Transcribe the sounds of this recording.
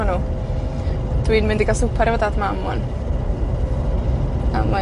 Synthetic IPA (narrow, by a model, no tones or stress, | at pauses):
anuː | d̥wiːnmɪndiɡasʊpʰaɾɛvədadmamɔn | a̰ma